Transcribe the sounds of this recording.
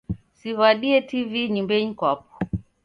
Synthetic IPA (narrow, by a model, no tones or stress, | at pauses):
sivaɗiɛtiviɲimbɛɲikwap̚ɔ̥